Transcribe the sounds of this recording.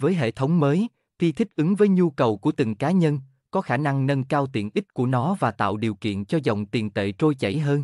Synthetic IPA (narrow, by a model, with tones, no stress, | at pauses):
vəː˨˦jɦḛ˧˨t̪ʰə˨˦wŋ͡mməː˨˦j | t̪ʰi˧t̪ʰï˦˥k̟̚ʔɨ˨˦ŋvəː˨˦jɲu˧kə˨˩wku˧˩ət̪i˨˩ŋkaː˨˦ɲə˧n | kɔ˨˦xaː˧˩na˧ŋnə˧nkaː˧wt̪ḭ˧˨ənʔï˦˥t̟̚ku˧˩ənɔ˨˦vaː˨˩t̪a̰ː˧˨wɗi˨˩əwkḭ˧˨ənt͡ɕɔ˧zɔ̰˧˨wŋ͡mt̪i˨˩ənt̪ḛ˧˨t͡ɕo˧jt͡ɕə̰˧˩jɦəː˧n